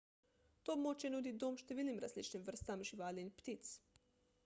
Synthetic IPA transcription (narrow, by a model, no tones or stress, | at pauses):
t̪omot͡ʃenud̪id̪omʃt̪eʋʲiːlimɾa̰zlit͡ʃnimʋr̩st̪amʒiʋalinʲpt̪it̪s